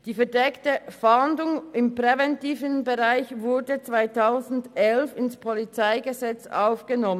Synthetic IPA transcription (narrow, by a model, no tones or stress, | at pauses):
d̥iːfɛɐdɛktəfandʊŋɪmpʁ̥ɛvɛntiːvənbəʁaɪçvʊɐdət͡sv̥aɪtʰaʊzn̩dɛlfɪnspʰɔlit͡saɪɡəzɛt͡sʔa̰ʊfɡ̥ənɔmənn